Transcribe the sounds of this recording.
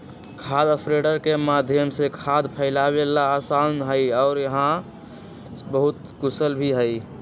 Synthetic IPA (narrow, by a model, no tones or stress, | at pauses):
kʰad̪əspɾeɖəɾkemaːd̪ʱjəmsekʰad̪pʰəɪlabelasanɦəiɔːɾjəɦã | bəɦʊt̪ | kʊsəlbʱiɦəi